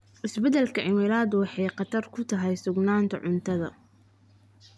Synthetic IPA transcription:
ʔɪsbɛd̪ɛlkʰɐʕɪmɪɾaːd̪wɑħɑjqɑt̪ʰɐrkʰʊt̪ʰɐɦɛjsʊɡnaːnt̪ʰɐ̰ʕʊnt̪ʰɐðɐ̰

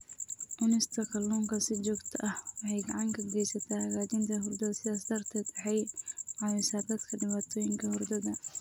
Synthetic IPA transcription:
ʔʊnɪst̪ʰɐkʰɐlɔːŋkʰɐsɪt͡ʃɔːɡt̪ʰɐʔɐhwɑħɑjɡɐʕɑŋkʰɐɡɛjsɐt̪ʰaːhɐɣaːt͡ʃɪnt̪ʰɐɦʊrd̪ɐðɐsɪasd̪ɐrt̪ʰɛd̪ɐħɛjʕɑmɛsaːd̪ɐt̪kʰɐɖɪβaːt̪ʰɔːjɪŋkʰɐhɔrd̪ɐðɐ

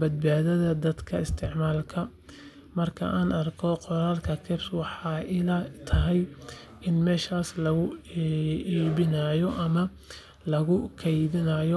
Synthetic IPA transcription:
bɐd̪̚baːðɐðɐd̪ɐd̪kʰɐɪst̪ʰɪʕmaːlkʰɐ | mɐrkʰɐ̰ʔaːnɐrkʰɔqɔɾaːlkʰɐkʰɪrswɑħɑːʔɪlat̪ʰɐɦɛj | ʔɪnmɛːʃaːslɐɣʊ | iːβɪnaːjɔʔɐmɐ | lɐɣʊkʰɛjβɪnɐjɔ

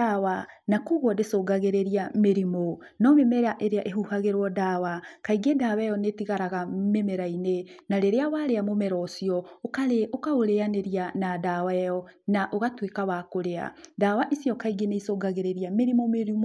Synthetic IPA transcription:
awanakuɣwɔdesoɡaɣeɾeɾiameɾimo | nɔmemɛɾaʔeɾeaʔeɦuhaɣeɾwɔdawakaiɡedawɛjɔnetiɣaɾaɣamemɛɾainenaɾeɾeawaɾeamomɛɾɔsiɔokaɾeokaoɾeaneɾianadawajɔnaʔoɣatwekawakoɾea̰daːwaʔisiɔkaiɡeneisoːɡaɣeɾeɾiameɾimomeɾim

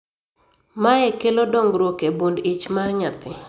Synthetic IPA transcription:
maɛkelodɔŋɡɾwokebundɪt͡ʃmarɲat̪ɪ

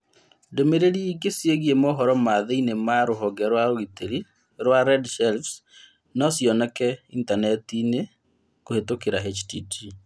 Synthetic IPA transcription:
domeɾeɾiːɡesjeɣiemɔɦɔɾɔmaðeinemaɾoɦɔɡɛɾwaɾoiteɾi | ɾwaɾɛdʃɛlfs | nɔsjɔnɛkɛintanɛtine | kohetokeɾaɦet͡ʃtḭtʰi

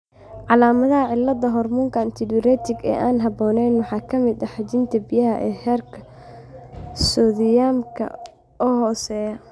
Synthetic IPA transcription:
ʕɑlaːmɐðɐɦɐʕɪlːɐd̪ɐɦɔrmʊŋkʰɐnt̪ʰɪdɪɾɛt̪ʰɪɡɛ̰ːʔaːnɦɑbɔːnɛjnwɑħɑːkʰɐmɪd̪ɐħɑt͡ʃɪnt̪ʰɐbɪjɐɦɐʔɛːhɛːrkʰɐ | sɔðɪjaːmkʰɐ̰ | ɔːɦɔːsɛːjɐ

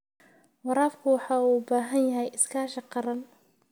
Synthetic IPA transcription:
wɑɾɑːfkʰʊwɑħɑːuːbaːɦɐnjɐɦɛjɪskʰaːʃɐqɑɾɐn

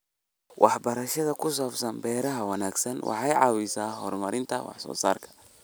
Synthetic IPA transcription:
wʔɑħbɐɾɐʃɐðɐkʰʊs̬ɔːfsɐnbɛːɾɐɦɐwɑnaːɡsɐnwʔɑ̰ħɑjʕɑːwɪsaːhɔ̰rmɐɾɪnt̪ʰɐ̰wɑ̰ħsɔ̰ːsa̰ːrkʰɐ̥

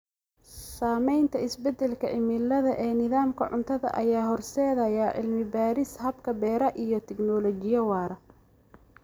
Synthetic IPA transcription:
saːmɛjnt̪ʰɐɪsbɛd̪ɛlkʰɐʔɪmɪlːɐðɐʔɛːnɪðaːmkʰɐ̰ʕʊnt̪ʰɐðɐ̰ʔɐ̰jaːɦɔrsɛːðɐjaʕɪ̰lmɪbaːɾɪshɐbkʰɐbɛːɾɐʔijɞt̪ʰɛɡnɔlɔt͡ʃɪjɐwɑːɾɐ

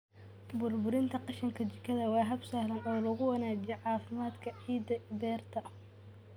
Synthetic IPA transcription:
bʊrbʊɾɪnt̪ʰɐqɑʃɐŋkʰɐt͡ʃɪkʰːɐðɐwɑːɦɐbsaːhlɐnɔːlɐɣʊwɐnaːd͡ʒjɛʕɑːfɪmaːd̪kʰɐʕiːd̪ːɐbɛːrt̪ʰɐ

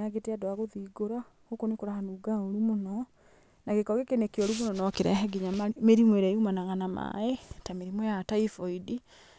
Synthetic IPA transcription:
aɡeteadoaɣoðiɡoɾa | ɣokonekoɾahanuɡaoɾumonɔ | naɣekɔɣekenekeoɾumonɔnɔkeɾɛ̰ɦɛɡiɲameɾimweɾaiumanaɣanama̰etameɾimwɛjataifɔidi

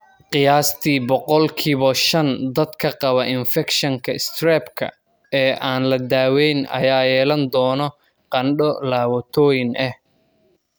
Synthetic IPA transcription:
qɪjaːst̪ʰiːbɔqɔlkʰiːβɔʃɐnd̪ɐd̪kʰɐqɑβɐʔɪnfɛkʃɐŋkʰɐɪst̪rɛːbkʰɐ̰ | ɛːʔaːnlɐd̪aːwɛjnɐ̰jaːjɛːlɐnd̪ɔːnɔ | qɑnɖɔlaːwɐt̪ʰɔːjɪnʔɛh

